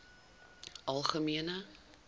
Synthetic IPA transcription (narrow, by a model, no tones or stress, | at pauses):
ʔɐlˠχəmiənə